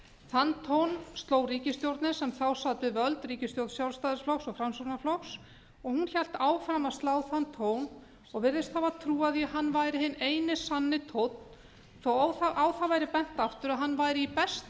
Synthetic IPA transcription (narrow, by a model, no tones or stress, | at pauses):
θant̪ʰownst̪loːwriːcɪst̪jowɾt̪nɪsɛmθawsaːt̪ʏvœlt̪riːcɪst̪jowt̪sjawlst̪aðɪɾsflɔwxsɔɣfɾamsuɾnaflɔwxs | ɔɣhunçɛl̥t̪aːwfɾamast̪laːwθant̪ʰown | ɔɣvɪɾðɪst̪θhavat̪ʰɾuːaðjiaɦanːvajɾɪhɦɪnːeːjnɪsanːɪt̪ʰowt̪n̥ | θawawaʔawθavajɾɪpɛn̥t̪aft̪ʏɾaɦanːvajɾɪipɛst̪